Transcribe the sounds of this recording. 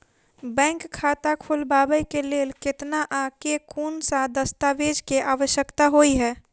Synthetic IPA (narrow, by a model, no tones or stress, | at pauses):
bɛ̃ːŋkkʰːaːt̪akʰulbaːbəjkeleːlkɪt̪naʔãkekʰuːnsad̪əst̪aʋeːd͡ʒkeʔaːʋəʃjəkt̪aɦoiɦɛː